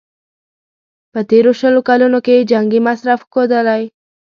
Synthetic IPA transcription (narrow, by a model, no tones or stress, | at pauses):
pət̪eɾoʃəlukalunoked͡ʒaŋɡimasɾafkod̪alaj